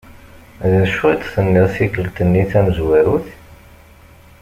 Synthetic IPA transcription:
ðæʃut̪ˤθənːiðθikːəlt̪ənːiθæməzwæɾuθ

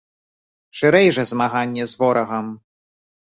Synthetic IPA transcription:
ʂɨɾɛjʐɛzmaɣanʲːɛzvɔɾʔɐɣɐm

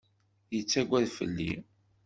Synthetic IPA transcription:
jət͡sːæɡʷæðfə̰lːḭ

